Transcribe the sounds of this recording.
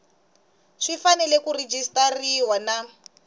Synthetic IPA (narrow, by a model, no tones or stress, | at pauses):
ʂifanɛlɛkured͡ʒistariwana